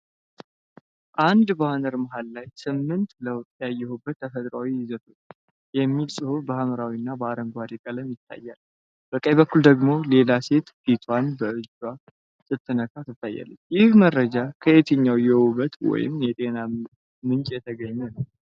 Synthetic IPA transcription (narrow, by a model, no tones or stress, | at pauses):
ʔand̪bəanəɾmaɦalːajsɨmːɨnt̪ləwtʼjajːɛhobːət̪ːʰəfət̪ʼɾawijɪzət̪ʰo̞t͡ʃː | jɛmːilsʼɨhubəhaməɾawinːabəaɾəŋɡʷaɾikʼələmjɪt̪ʰːa̰jːal | b̥əkʼəjbəkːuld̪əɡmo̞le̞lase̞t̪fit̪ʰwanbəɨd͡ʒwa | sʼɨt̪ʰːɨnəkʰat̪ʰɨt̪ʰːajːa̰lːət͡ʃːjɪhmərːəd͡ʒakʰəʔe̞t̪ʰɨɲːawjɛwuβət̪wɔ̰jɪ̰mjɛt̪ʼe̞na | mɨnt͡ʃʼjɛt̪ʰəɡəɲːɛnəw